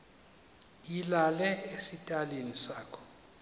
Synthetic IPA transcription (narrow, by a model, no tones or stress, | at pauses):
ilalɛesitʼalinisaːkʰɔ̥